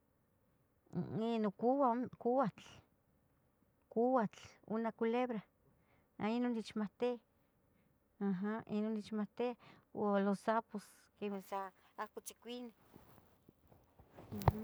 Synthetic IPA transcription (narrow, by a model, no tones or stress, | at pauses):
inokuwakuat͡ɬ | kuwat͡ɬṵnakuleβɾa | a̰inonit͡ʃmat̪ea | aɦaʔinonit͡ʃmat̪eaolosapos | kemesa | akut͡ʃi̥kʷine